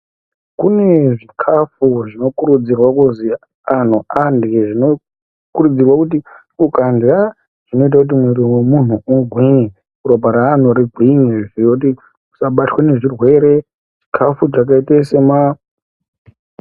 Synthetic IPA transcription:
kune̞ʐikʰafuʐino̞kuɾud͡zirwakuzi | an̤uʔandeʐino̞ | kuɾud͡zirwakut̬i | ukanda | ʐ̥ino̞it̬akut̬imweɾiwemun̤uuɡʱwiŋi | kuɾobʱaɾaːn̤uɾiɡʱwiŋeʐijot̬i | u̥saɓatwene̞ʐirwe̞ɾe̞ | ʐikʰafut͡ʃak̬aitesema

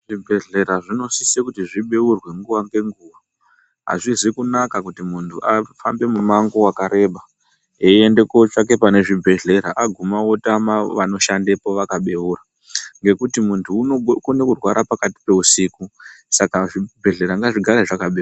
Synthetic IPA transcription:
ʐ̥ibʱe̞ɮe̞ɾaʐino̞sisekutiʐiɓe̞urwe̞ŋɡuʋaŋɡe̞ŋɡuːʋa | ɦa̰ʐizikunakakutimuntʰuʔafambe̞mumaŋɡowakaɾe̞ːɓa | eende̞kot͡ʂak̬e̞pane̞ʐibʱe̞ɮe̞ɾaʔaɡʱumawotamaʋano̞ʃande̞po̞ʋakaɓe̞ura | ŋɡe̞kutimuntʰuːkonekurwaɾʔapakati̥pe̞usiːkusakaʐibʱe̞ɮe̞ɾaŋɡaʐiɡʱaɾaʐakaɓea

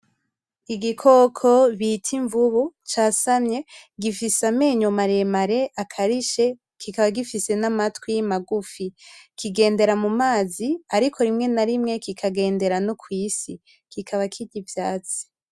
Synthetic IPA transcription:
iɡikʰokʰoβitʰiɱvuβut͡ʃaːsamɲe̞ɡifisameːɲomaɾe̞maɾe̞ʔakʰaɾiʃe̞ | kikaβaɡifise̞namatwijimaɡufikiɡe̞ːnde̞ɾamumaːziaɾikʰo̞ɾimŋe̞naɾimŋe̞kikʰaɡe̞ːnde̞ɾanokwiːsi | kikʰaβakʰiɟivjaːt͡si̥

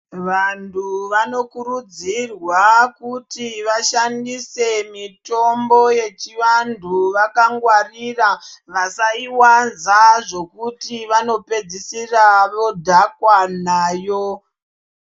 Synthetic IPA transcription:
ʋantʰuʋano̞kurud͡zirwakutiʋaʃandise̞mito̞mbo̞je̞t͡ʃiʋantʰuʋakaŋɡwariraʋasaiwanzaʐo̞kutiʋano̞pe̞d͡zisiraʋo̞dʱakwanaːjo

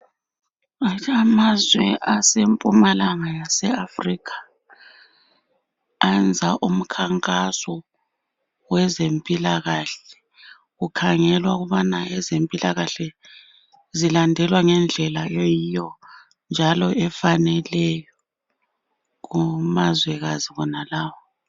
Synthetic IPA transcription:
aamazwɛʔasempʼumalaŋajasɛafrikʰḁ | and͡zʱaʔum̩kʰaŋkʼasɔ | wɛzempʼilaɣaɬɛ | ɣukʰaŋɛlwauɣuβanaɛzempʼilaɣaɬɛ | zilandʱɛlwaŋɛnd͡ɮʱɛlajojijɔ | nd͡ʒʱalɔɛfanɛlɛjɔ | ɣumazwɛɣaziβɔnalaːwɔ

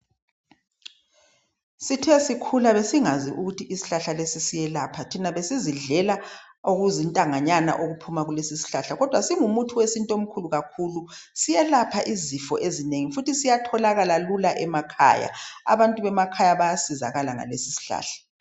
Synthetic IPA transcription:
sitʰɛsikʰulaβesiŋazḭʔuɣutʰiʔisi̥ɬaɬalesisijɛlapʰatʰinaβesiziɮɛla | oɣuzintʼaŋaɲana̰ʔoɣupʰumaɣulesisi̥ɬaɬaɣɔd̥ʱwasiŋumutʰuwesintʼom̩kʰuluɣakʰulusijɛlapʰaʔizifɔʔezineŋifutisijatʰɔlaɣalalulaʔɛmakʰa̰ːja̰a̰βantʼuβɛmakʰajaβajasiza̰ɣalaŋa̰lesisi̥ɬa̰ːɬḁ

